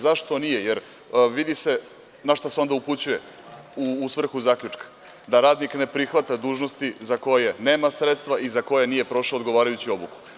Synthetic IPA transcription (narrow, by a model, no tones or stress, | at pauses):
zaʃt̪o̞nijejeɾ | ʋid̪ise̞ | naʃt̪oseo̞nd̪auput͡ɕuje̞ | uːsʋr̩xuzaːkʎʲut͡ʂkḁ | d̪aɾaːd̪nikne̞pɾixʋat̪ad̪uːʒno̞st̪izako̞jene̞ːmasɾet̪st̪ʋaizako̞jenije̞pɾo̞ʃoːd̪ɡo̞ʋaːɾajut͡ɕio̞buku̥